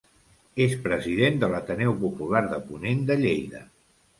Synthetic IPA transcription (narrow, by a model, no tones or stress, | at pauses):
espɾəziðend̪ələt̪ənɛwpupulaɾðəpunend̪əʎejðə